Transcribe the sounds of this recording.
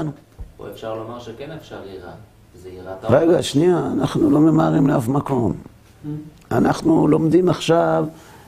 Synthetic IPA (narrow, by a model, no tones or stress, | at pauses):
nu | o̰efʃaʁlomaʁʃekenefʃaʁiʁa | zeiʁatʁeɡaʃniaːnaχnulo̞me̞maʁimleafmako̞m | a̰naχnulo̞md̪imaχʃav